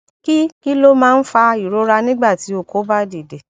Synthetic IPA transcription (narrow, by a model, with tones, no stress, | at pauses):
ki˦ki˦lo˦mãː˦n̩˦fa˧i˨ɾo˨˦ɾa˧nĩ˦ɡ͡ba˦˨ti˨˦o˦˨ko˨˦ba˦di˨de˨